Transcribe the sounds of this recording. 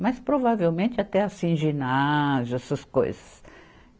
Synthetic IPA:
maspɾovavewmẽnt̪ɪat̪ɛasĩʒinazʊɛsɐsko̰jzɐs

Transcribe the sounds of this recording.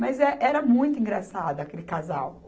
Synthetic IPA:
mɐzɛʔɛɾɐmũj̃t̪ʊĩŋɡɾasad̪ʊakelɪkazaw

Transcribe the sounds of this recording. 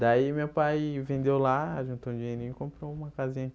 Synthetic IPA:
d̪aimewpajvẽnd̪ewlaʒũnt̪õũd͡ʒiɲeɾĩɲʊkõmpɾoũmɐkazĩɲɐ

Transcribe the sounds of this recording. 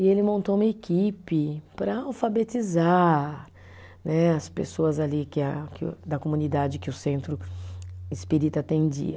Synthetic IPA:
ɪelɪmõnt̪oũmɐekipɪpɾɐawfabet͡ʃiza | nɛɐspḛsoɐzalikɪakɪd̪ɐkomũnid̪ad͡ʒɪkɪʊsẽnt̪ɾʊ | ɪspiɾit̪at̪ẽnd͡ʒḭɐ

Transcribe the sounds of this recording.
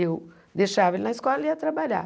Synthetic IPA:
ew | d̪eʃavɐelnɐiskɔlɐiɐt̪ɾabaʎa̰

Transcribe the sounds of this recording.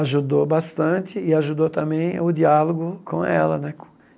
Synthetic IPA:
aʒud̪obast̪ɐ̃t͡ʃ̪ɪɪaʒud̪ot̪ɐ̃mbẽj̃ʊd͡ʒialoɡʊkʰõ̰ɛ̰lɐ̰nɛkõ̥

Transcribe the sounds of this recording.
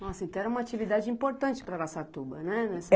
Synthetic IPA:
nɔsɐẽt̪ɐ̃ɛɾɐũmɐat͡ʃivid̪ad͡ʒɪĩpoɾt̪ɐ̃nt͡ʃɪ̥pɾɐlasat̪ubɐnɛnɛs

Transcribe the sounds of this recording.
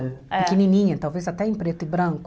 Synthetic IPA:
pɪkinĩnĩɲɐt̪awvezat̪ɛẽpɾet̪ʊɪbɾɐ̃ŋkʊ

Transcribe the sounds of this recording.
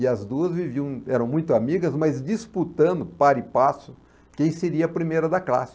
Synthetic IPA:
ɪɐzd̪uɐzviviɐ̃w̃ɛɾɐ̃w̃mũj̃t̪ʊamiɡɐzmazd͡ʒisput̪ɐ̃nd̪ʊpaɾɪpasʊ | kẽj̃seɾiɐɐpɾimejɾɐd̪ɐkla̰sɪ̥

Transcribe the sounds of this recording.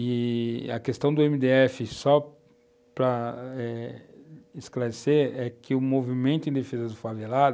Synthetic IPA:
ɪɐ̰kest̪ɐ̃w̃d̪ʊẽmid̪eɛfɪsɔ | pɾɐɛ | ɪsklaɾeseɾɛkʰɪʊmovimẽnt̪ʊẽd̪efezɐd̪ʊfavelad̪ʊ

